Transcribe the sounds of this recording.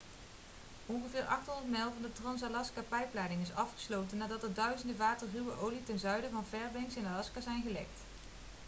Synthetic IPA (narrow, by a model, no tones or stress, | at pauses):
ɔnχəvɪːɹʔɑχtɦɔndərtmɛjlˠvɑndətrɑns̬alɑskapɛjplaːdɪŋɪsɑfχə̥slowtənːaːdɑtədœɥzəndəʋaːtərrywəʔowlitɛnzœɥdəvɑnvɛɹbɛŋksɪnalɑskazɛjnχəlɛ̰kt